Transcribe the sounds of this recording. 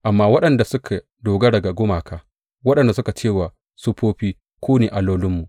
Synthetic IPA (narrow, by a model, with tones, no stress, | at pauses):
ʔa˨mːaː˦wɐ˦ɗɐ˨nda˨sʊ˦kʰa˨ | doː˨ɡɐ˦dɐ˨ɡa˨ɡʊ˦maː˨kʰaː˦ | wɐ˦ɗɐ˨nda˨sʊ˦ka˨t͡ʃeː˦˨waː˨ | su˦ɸoː˦ɸiː˦ | kʷoː˦neː˨ʔa˨loː˦lʊ˦mːu˨ʔ